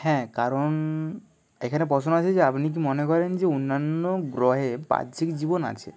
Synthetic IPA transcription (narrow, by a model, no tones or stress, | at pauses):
hɛ̃kaɾon | ekʰanepɾɔt͡ɕʰonat͡ɕʰed͡ʑeapnik̬imonekɔɾend͡ʑeonːanːoɡɾɔɦepa̰dd͡ʑʰʱikd͡ʑibona̰t͡ɕʰḛ